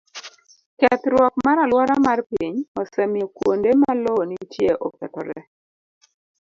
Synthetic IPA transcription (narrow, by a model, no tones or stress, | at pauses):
kɛt̪ɾwɔk̚maɾalwɔɾamarpiɲɔsɛmokwondemalonit͡ʃjeʔɔkɛtɔɾɛ̰